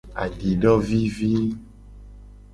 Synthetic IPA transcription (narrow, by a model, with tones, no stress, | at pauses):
a̰˨ɖi˨ɖɔ˦vi˦vi˦